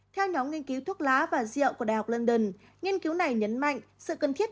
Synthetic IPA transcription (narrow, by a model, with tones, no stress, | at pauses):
t̪ʰɛ˧wɲɔ˨˦mŋi˧nki˨˦wt̪ʰu˦˥t̚laː˨˦vaː˨˩zḭ˧˨ə˨wku˧˩əɗaː˨˩ɦa˨˩wk͡p̚lə˧nɗə˧˩n | ɲi˧ənki˨˦wna˨˩jɲə˨˦nma̰˧˨ŋ̟sɨ̰˧˨kə˨˧˩nt̪ʰi˦˥ət̚